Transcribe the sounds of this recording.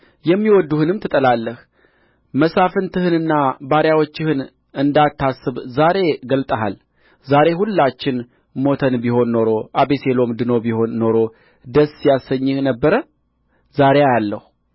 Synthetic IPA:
jɛmːiwɔd̪ːuhɨnɨmt̪ʰɨt̪ʼəlalːəh | məsafɨnt̪ʰɨhɨnɨnːabaɾjawot͡ʃːɪhɨn | ɨnd̪at̪ʰːasːɨβzaɾe̞ɡəlt̪ʼəɦa̰l | zaɾe̞ɦulːat͡ʃːɪn | mo̞t̪ʰənbiho̞nːo̞ɾo̞ʔabese̞lo̞md̪ɨno̞biho̞nːo̞ɾo̞ | d̪əsjasəɲːɪhnəbːəɾə | zaɾejajalːəhu

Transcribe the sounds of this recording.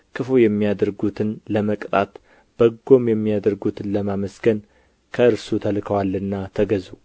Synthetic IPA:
kʰɨfojɛmːijad̪əɾɡut̪ʰɨnləməkʼt̪ʼat̪ | b̥əɡːo̞mjɛmːijad̪əɾɡut̪ʰɨnləmaməsɡən | kʰəɨɾsut̪ʰəlkʰəwalːɨnːat̪ʰəɡəzu

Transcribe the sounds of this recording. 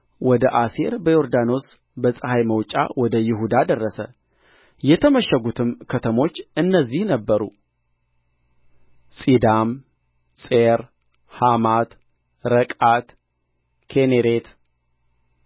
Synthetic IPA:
wɔd̪əʔasiɾbəjo̞ɾd̪ano̞s | bəsʼəhajməwt͡ʃʼa̰wɔd̪əjɪɦud̪ad̪ərːəsə̰ | jɛt̪ʰəməʃːəɡut̪ʰɨmkʰət̪ʰəmo̞t͡ʃːɨnːəzːihnəbːəɾṵ | sʼid̪am | sʼeɾ | hamat̪ | ɾəkʼat̪ | kʰeneɾet̪

